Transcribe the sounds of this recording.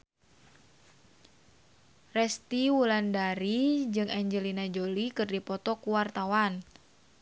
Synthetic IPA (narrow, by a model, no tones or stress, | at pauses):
rɛst̪iwulandaɾid͡ʒɨŋɛɲd͡ʒəlinad͡ʒolikɨrdipɔt̪ɔkuwart̪awan